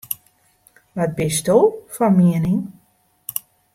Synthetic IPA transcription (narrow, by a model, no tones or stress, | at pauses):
ʋɔt̚bɪstoːfɔmiənɪŋ